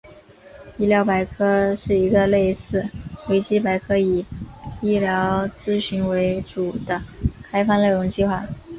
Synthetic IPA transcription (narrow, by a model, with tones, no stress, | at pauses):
i˥˩ljɑ˧˥ʊpa˧˥ɪkʰɤ˥ʂɻ̩˥˩i˧˥ɡə˧le˥˧ɪsɹ̩˥˩we˧˥ɪt͡ɕi˥pa˧˥ɪkʰɤ˥i˨˩i˥˩ljɑ˧˥ʊt͡sɹ̩˥ɕy˧˥nwe˧˥ɪʈ͡ʂu˨˩d̪̥ə˦kʰa˥ɪfɑ˥˧ŋle˥˩ɪɻʊ˧˥ŋt͡ɕi˥˧xwa˥˩